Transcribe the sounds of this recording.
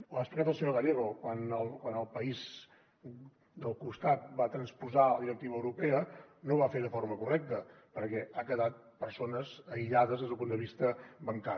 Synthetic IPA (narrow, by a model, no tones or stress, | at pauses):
uaəsplikat̪əlˠsəɲoɣaleɣokwanəlˠkwanəlˠpəiz | d̪əlˠkust̪at̪̚bat̪ɾənspuzaləðiɾək̚t̪iβəːwɾupeənoβafeðəfoɾməkurɛk̚t̪ə | pəɾkɛakəðat̪̚ | pəɾsonəzəiʎaðəzðezðəlˠpund̪əβist̪əbəŋka